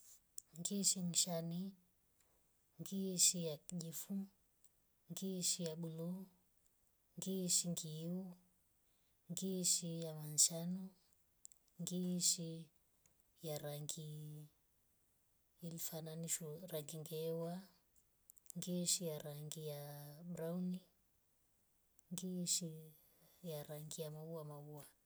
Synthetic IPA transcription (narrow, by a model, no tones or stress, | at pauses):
ŋɡiʃimiʃani | ŋɡiʃijaʄifu | ŋɡiʃijaɓulu | ŋɡiʃiŋɡiu | ŋɡiʃijamanʃanu | ŋɡiʃi | jaɾaŋɡi | lifananiʃɔɾaŋɡiŋɡɛwa | ŋɡiʃijaɾaŋɡijaɓɾauni | ŋɡiʃi | jaɾaŋɡijamauamaua